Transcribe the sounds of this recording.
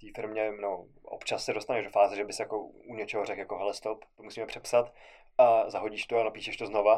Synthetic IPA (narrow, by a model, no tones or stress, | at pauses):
t̪iːfɪɾmɲɛnɛo | ʔo̰pt͡ʃassɛdo̞st̪anɛʒdofaːzɛʒɛbɪsɛjakouɲɛt͡ʃɛɦorɛkjakoɦɛlɛst̪opt̪omusiːmɛpr̝̥ɛpsat̪ | ʔazaɦoɟiːʃt̪oanopiːʃɛʃt̪oznova